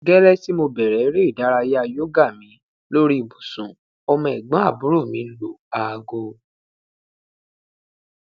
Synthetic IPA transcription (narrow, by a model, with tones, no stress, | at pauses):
ɡɛ˦ɾɛ˦ti˦mo˧bɛ˨ɾɛ˨˦ɾe˦i˦˨da˨˦ɾa˧je˦a˧jo˦ɡa˦˨mĩ˨˦ | lo˦ɾi˦i˨bu˨sũ˨ | ɔ˧mɔ̃˧ɛ˨ɡ͡bã˨˦a˦˨bu˨˦ɾo˦˨mĩ˨˦lo˨a˨˧ɡo˧